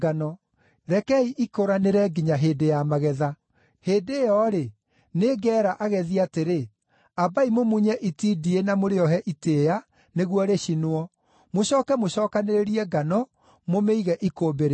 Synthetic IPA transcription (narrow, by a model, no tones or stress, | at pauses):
ɡanɔ | ɾɛkɛiʔikoɾaneɾɛɡiɲaɦedejamaɣɛða | heːdejɔɾe | neɡɛːɾaʔaɣɛðiateɾe | abaimomuɲɛʔitidienamoɾeɔɦɛʔitea | neɣwɔɾeɕinoɔ | moɕɔːkɛmoɕɔːkaneɾeɾiɛɡanɔ | momeiɣɛʔikoːbeɾe